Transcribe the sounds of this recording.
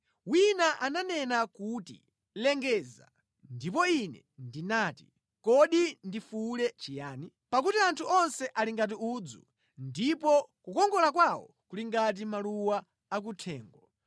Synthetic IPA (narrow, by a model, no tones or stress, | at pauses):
winaʔananɛnakutḭ | lɛŋɡɛːza̰ | ndipɔinɛ̰ | ndinaːti | kɔɗindifulɛt͡ʃijaːni | pakutiantʰuɔnsɛʔaliŋɡat̬iuːd͡zṵ | ndipɔkukɔŋɡɔlakwawɔ̰ | kuliŋɡat̬imaluwaː | k̬utʰɛːŋɡɔ